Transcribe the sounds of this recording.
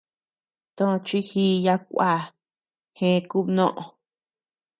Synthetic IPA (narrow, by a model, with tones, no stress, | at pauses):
t̪õ˦˧t͡ʃi˦hi˦ja˧kʷa˦˨ | hẽ˦˧ku˦nõ˦ʔõ̰˧